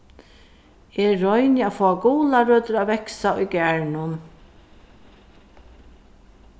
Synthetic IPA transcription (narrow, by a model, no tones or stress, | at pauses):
ɛːɔjnɪafɔːaɡuːlaɾøːt̪ʏɾaʋɛksaʊjɡæɹnʊm